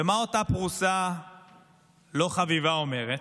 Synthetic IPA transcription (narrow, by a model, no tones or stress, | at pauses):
emao̞tapʁusa | lo̞χavivao̞me̞ʁet